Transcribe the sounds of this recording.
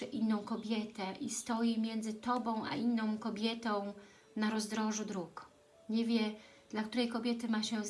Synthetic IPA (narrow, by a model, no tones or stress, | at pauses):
ɘʔinːɔ̃w̃kɔbʲjɛt̪ɛʔist̪ɔjimʲjɛnd̪zɘt̪ɔbɔ̃w̃ʔa̰ʔinːɔ̃w̃kɔbʲjɛt̪ɔ̃w̃ | naɾɔzd̪ɾɔʐud̪ɾuk | ɲɛvʲjɛ | d̪̥lakt̪uɾɛjkɔbʲjɛt̪ɘmaɕɛ